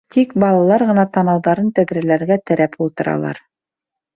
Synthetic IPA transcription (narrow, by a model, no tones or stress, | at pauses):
t̪ʰikbɑlˠɑlˠɑɾʁɤ̆nɑt̪ɑnɑw̪ˠðɑɾɤnt̪æðɾælæɾɡæt̪æɾæpulˠt̪ɤ̆ɾɑ̰lˠɑ̰ɾ